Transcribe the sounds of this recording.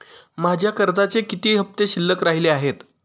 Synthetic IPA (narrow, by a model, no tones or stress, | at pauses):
mad͡ʑʱjakəɾd͡zat͡sekit̪iːɦəp̚t̪eɕilːəkɾaɦileaɦet̪